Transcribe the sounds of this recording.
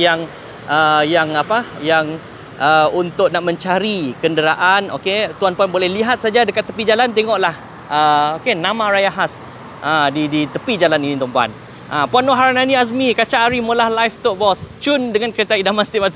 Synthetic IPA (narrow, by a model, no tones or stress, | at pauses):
jaŋ | ʔəjaŋapajaŋ | ʔəunt̪ʊk̚naʔmə̃ɲt͡ʃaɾikəndəɾaʔano̰ket̪uanpanbolɛhliɦat̪̚sad͡ʒadəkat̪ːəpid͡ʒalant̪̬eŋɔʔlah | əokenãmãɾajaɦas | ʔədidit̪əpid͡ʒalaninĩt̪ɔmpua̰n | ʔapuanoɦaɾananias̬mikat͡ʃaʔaɾimulahlajft̪ɔʔ̚bɔst͡ʃundəŋankəɾet̪aidamast̪iʔmat̪